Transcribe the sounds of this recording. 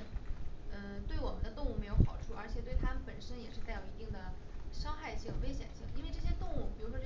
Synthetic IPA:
ə˧t̪we˥˩ɪwɔ˨˩mə˦nd̪ə˧t̪ʊ˥˧ŋu˥˩me˧˥ɪjo˧˥ʊxɑ˨˩ʊʈ͡ʂʰu˥˩ə˞˧˥t͡ɕʰjɛ˨˩t̪we˥˩ɪt̪ʰa˥mə˧npə˨˩nʂə˥njɛ˨˩ʂɻ̩˥˧t͡s̪a˥˩ɪjo˨˩i˧˥t̪i˥˩ŋd̪ə˩ʂɑ˥ŋxa˥˧ɪɕi˥˩ŋ˩we˥ɕjɛ̰˨˩nɕi˥˩ŋi˥nwe˥˧ɪʈ͡ʂɤ˥˩ɕ̬jɛ˥t̪ʊ˥˧ŋu˥˩pi˨˩ɻu˧˥ʂwɔ˥

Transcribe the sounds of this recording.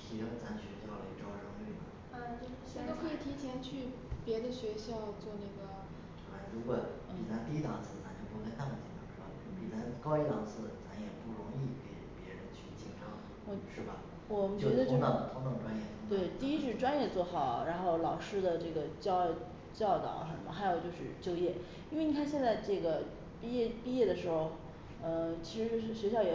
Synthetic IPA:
t̪ʰi˧˥ʈ͡ʂə˥t͡sa˧˥nɕɥɛ˧˥t͡ɕjɑ˥˩ʊlə˧˩˧ʈ͡ʂɑ˥ʊɻɑ˥ŋy˥˩nə̰˩ | ə˥˧˩t͡ɕo˥˧ʊʂɻ̩˥˧˥t̪o˥ʊkʰɤ˧˥i˨˩t̪ʰi˧˥t͡ɕʰjɛ˧˥nt͡ɕʰy˥˩ | pjɛ˧˥d̪ə˧ɕɥɛ˧˥ɕjɑ˥˧ʊt͡swɔ˥˧na˥˩ɡə˩ | ɑ˧˥la˧˩ɪɻu˧˥kwɔ˨˩ | pi˨˩t͡sa˧˥nt̪i˥˧i˥t̪ɑ̰˨˩˦ŋt͡sʰɹ̩˥˩t͡sʰa˧˥nt͡ɕo˥˧ʊpu˧˥kə˥nt̪ʰa˥˩mə˨˩nt͡ɕɛ̰˧˥˩ŋʈ͡ʂʰɑ˥˩ŋʂ̩˥˩a̰˧˥˩pi˨˩t͡sa˧˥nkɑ˥ʊi˥˩lɑ˨˩ŋt͡sʰɹ̩˥˩t͡sa˧˥njɛ˨˩pu˥˩ɻʊ˧˥ŋi˥˧ke˨˩ɪpjɛ˧˥ɻə˧˥nt͡ɕʰy˥˩t͡ɕi˧˥˩ŋʈ͡ʂɑ˥˩ŋ | wɔ˨˩ʂɻ̩˥˩bɐ̰˩ | wɔ˨˩mə˦nt͡ɕt͡ɕɥɛ˩˧˥d̪ə˧t͡ɕo˥˧˥t̪ɑ˥˩˧t̪ʰʊ˧˥ŋt̪ɑ˥˩ŋʈ͡ʂwa˥njɛ˥˩˥t̪we˥˩ɪt̪i˥˧i˥t͡ɕ̩˥˩ʂʈ͡ʂwa˥njɛ˥˧t͡swɔ˥˩xɑ˨˩˦ʊɻa˧˥nxo˥˩ʊlɑ˨˩ʊʂɻ̩˥d̪ə˨ʈ͡ʂɤ˥˩ɡə˩t͡ɕɑ˥˧ | t͡ɕjɑ˥˩ʊt̪ɑ̰˨˩˦ʂə˧˩mə˧˩xa˧˥ɪjo˨˩ʊt͡ɕjo˥˧ʊʂɻ̩˥˧˩t͡ɕjo˥ʊjɛ˥˩ | i˥nwe˥˩ni˨˩kʰa˥nɕjɛ˥˧nt͡sa˥˧ɪʈ͡ʂɤ˥˩ɡə˩ | pi˥˧jɛ˥˧˩pi˥˧jɛ˥˩d̪ə˩ʂɻ̩˧˥xo˥˧ʊ | ə˥˩t͡ɕʰi˧˥ʂɻ̩˧˥ʂ̩˥˩ɕɥɛ˧˥ɕjɑ˥˩ʊjɛ˨˩

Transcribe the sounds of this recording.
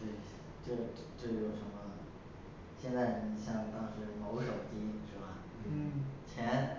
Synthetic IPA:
t̪we˥˩ɪ | t͡ɕjo˥˧ʊ˥˧ʈ͡ʂjo˥˩˧ʊjo˨˩ʊʂə˧˥mə˧ | ɕjɛ˥˧nt͡sa˥˩ɪni˨˩ɕjɑ˥˩ŋt̪ɑ˥ŋʂɻ̩˧˥mo˧˥ʊʂo˨˩ʊt̪i˥i˥˩ŋʂɻ̩˥˧ba˥˩˥ | t͡ɕʰjɛ˧˥n

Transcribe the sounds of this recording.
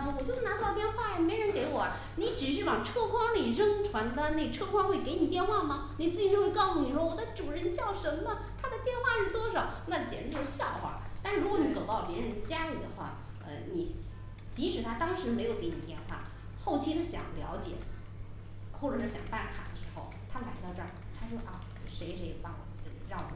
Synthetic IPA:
wɔ˨˩t͡ɕjo˥˧ʂɻ̩˥˩n˧˥˧t̪jɛ˥˧nxwa˥˩a˧˩me˧˥ɪɻə˧˥nke˧˥ɪwɔ˨˩ɐ˦ | ni˧˥ʈ͡ʂɻ̩˨˩ʂ̬ɻ̩˥˩wɑ˨˩ŋʈ͡ʂʰɤ˥˩kʰwɑ˥ŋli˨˩ɻɤ˥ŋʈ͡ʂʰwa˧˥nd̪ə˧ne˥˩ʈ͡ʂʰɤ˥˧kʰwɑ˥ŋxwe˥˩ɪke˧˥ɪni˨˩t̪jɛ˥˧nxwa˥˩mɐ˨ni˨˩t͡sɹ̩˥˩t͡ɕi˧˩˥we˥˧kɑ˥˩ʊsu˧˩ni˨˩ʂwɔ˥˩wɔ˨˩d̪ə˦ʈ͡ʂu˨˩ɻə˧˥nt͡ɕjɑ˥˩ʊʂə˧˥mmə˧ | t̪ʰa˥d̪ə˨t̪jɛ˥˧nxwa˥˧ʂɻ̩˥˩t̪wɔ˥ʂɑ˨˦na˥˩˨t͡ɕjɛ̰˨˩nə˥t͡ɕo˥˧˥ɕjɑ˥˩ʊxa̰˨˩t̪a˥˧ʂɻ̩˥˧ɻu˧˥wni˧˥˩t͡so˨˩ʊt̪ɑ˥˩ʊpjɛ˧˥ɻə˧˥nd̪ə˧t͡ɕja˥li˨˩d̪ə̰˦xwa̰˥˩ | ə̰˧ni˨˩ | t͡ɕi˧˥ʂɻ̩˨˩t̪ʰa˥t̪ɑ˥ŋʂɻ̩˧˥me˧˥ɪjo˨˧ʊke˧˥ɪni˨˩t̪jɛ˥˧nxwa̰˥˩ | xo˥˩ʊt͡ɕʰi˥d̪ə˧ɕjɑ̰˨˩ŋljɑ̰˧˥ʊt͡ɕjɛ̰˨˩˦ | xwɔ˥˩ʈ͡ʂɤ˨˩ʂɻ̩˥˩ɕjɑ̰˨˩ŋpa˥˩nkʰa̰˨˩d̪ə˦ʂɻ̩̥˧˥xo̰˥˧˩ʊt̪ʰa˥la˧˥ɪt̪ɑ˥˧ʊʈ͡ʂɤ̰˥˩˨ | t̪ʰa˥ʂwɔ˥ʔɐ˥˩ | ʂe˧˥ɪʂe˧˥ɪe˨˧˩pɑ˧˥ŋwɔ̰˨˩t͡ɕo˥˧˩ɻɑ˥˩ŋwɔ̰˨˩

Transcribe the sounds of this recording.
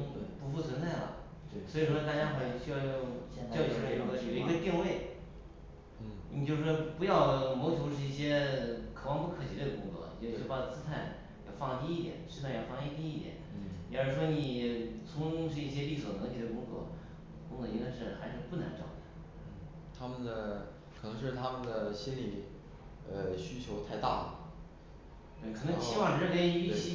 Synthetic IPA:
pu˧˥fu˥˩t͡sʰwə˧˥nt͡sa˥˩ɪlə̰˨˩ | swɔ˧˥i˨˩ʂwɔ˥˧t̪a˥˧˩t͡ɕja˥xwa˥˩˧ɕy˥jɑ˥˧ʊjo˥˧ʊ˧t͡ɕʊji˧˥ɡo˨˩i˧˥ə˧t̪ji˥˧ŋwe˥˩ɪ | ni˨˩t͡ɕjo˥˧ʊʂɻ̩˥˩ʂɔ˥pu˧˥jɑ˥˩ʊmo˧˥t͡ɕʰjo˧˥ʊʂɻ̩˥˧i˥˩ɕjɛ˥kʰɤ˨˩wɑ˥˧ŋpu˥˩kʰɤ˨˩t͡ɕʰi˧˥˩də˨˧kʊ˧˥ŋt͡sɔ̰˧˥˩t͡ɕo˥˩˧pa˥˩˧t͡sɹ̩˥t̪ʰa˥˩n | jɑ̰˨˧˩ʊfɑ˥˧ŋ˧t̪ʰi˥i˥˩t̪jɛ̰˨˩˦nʂɻ̩˥˧t͡sʰa˥˩ɪjɑ˨˩fɑ˥˧ŋ˥˧˩t̪ʰi˥i˥˩jɛ̰˨˩˦n˥˩jɛ˧˥ɻ̩˧˩ʂwɔ˥ni˨˩t͡sʰʊ˧˥ŋʂ̬ɻ̩˥˧i˥˩ɕ̬jɛ˥li˥˩swɔ˨˩nɤ˧˥ŋt̪ʰi˧˥d̪ə˧kʊ˥ŋkɤ̰˧˥ | kʊ˥ŋkɤ˧˥˩i˥ŋka˥ɪʂɻ̩˥˩xa˧˥ɪʂɻ̩˥˧pu˥˩na̰˧˥nʈ͡ʂɑ̰˥˩ʊd̪ə˨˩ | n̩˥˩ | t̪ʰa˥mə˨nd̪ə˩ | kʰɤ˨˩nɤ˧˥ŋʂɻ̩˥˩t̪ʰa˥mə˨nd̪ə˩ɕi˥nli˨˩ | ə˧ɕy˥t͡ɕʰjo˧˥ʊt̪ʰa˥˧ɪt̪a̰˥˩ə˩ | t̪we˥˩kʰɤ˨˩nɤ˧˥t͡ɕʰi˥wɑ˥˩˧ɻə˥˩ke˥˧y˥ɕi˥

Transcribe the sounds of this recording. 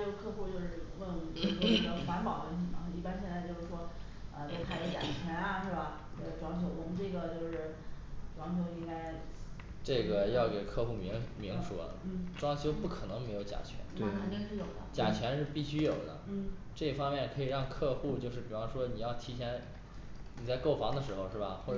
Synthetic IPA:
jo˧˥ʊkʰɤ˥˧xu˥˧t͡ɕjo˥˧ʊʂɻ̩˥˩˧wə˥˩o˥˧ʂ̩˥˩wɔ˥˩˧nə˧˥xwa˧˥npɑ˨˩ʊwə˥nt̪ʰi˧˥˩nɐ˧˥˧i˥˩pa˥nɕjɛ˥˧nt͡sa˥˧ɪt͡ɕo˥˧ʊʂɻ̩˥˩ʂwɔ˥ | ə˧t͡ɕo˥˧˩pʰa˧˥ɪlə˧˥t͡ɕa̰˨˩t͡ɕʰɥɛ˧˥nɐ˧ʂwbɐ˩˥˩ | ʈ͡ʂwɑ˧˥ŋt͡ɕʰjo˧˥ʊtʊ˧˥ŋʈ͡ʂɤ˥˩ɡə˩t͡ɕjo˥˧ʊʂɻ̩˥˩ | ʈ͡ʂwɑ˧˥ŋt͡ɕʰjo˧˥ʊi˥ŋka˥ɪ | ʈ͡ʂɤ˥˩ɡə˩jɑ˥˩ʊke˨˩ɪkʰɤ˥˧xu˥˩mi˧˥ŋmi˧˥ŋʂṵ˨˩˦ʈ͡ʂwɑ˥ŋɕʰjo˥ʊpu˥˩kʰɤ˨˩nɤ˧˥ŋme˧˥ɪjo˧˥ʊt͡ɕja̰˨˩t͡ɕʰɥɛ̰˧˥nt̪e˥˩˥kʰt͡ɕɛ˥ʂɻ̩˥˩jo˨˩ʊd̪ə̰˦t͡ɕja˨˩t͡ɕʰɥɛ˧˥nʂɻ̩˥˧pi˥˩ɕy˥jo˨˩ʊd̪ə̰˦˥˩ | ʈ͡ʂɤ˥˩fɑ˥ŋmjɛ˥˩nkʰɤ˧˥i˨˩ɻɑ˥˧ŋkʰɤ˥˧xu˥˧t͡ɕjo˥˧ʊʂɻ̩˥˩pi˨˩wɑ˥ŋʂwɔ˥ni˨˩jɑ˥˩ʊt̪ʰi˧˥t͡ɕʰjɛ˧˥n | ni˨˩t͡sɪko˥˩ʊfɑ˧˥ŋd̪ə˧ʂɻ̩˧˥xo˧ʊʂɻ̩˥˩bɐ̰˩xwɔ˥˩

